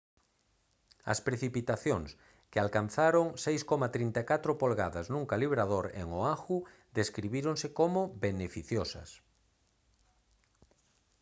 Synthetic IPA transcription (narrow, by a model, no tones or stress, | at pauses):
ɐ̰spɾeθipit̪aθjoŋs | kɪalkan̟θaɾoŋsejskomat̪ɾint̪akat̪ɾopolɣa̰ðaznũŋkaliβɾaðoɾḛŋoaxu | d̪eskɾiβiɾoŋsekomobenefiθjosɐ̰s